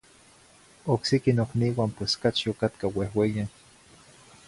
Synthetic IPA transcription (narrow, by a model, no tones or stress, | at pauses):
oksikinokniwampweskat͡ʃiokat̪kawehwejan